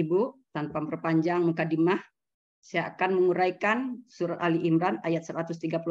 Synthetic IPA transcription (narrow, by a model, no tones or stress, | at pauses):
but̪anpampərpaɲd͡ʒaŋmukadimah | saaakanməŋuɾajkansuɾat̪̚aliʔimɾanajat̪̚səɾat̪ʊst̪iɡapul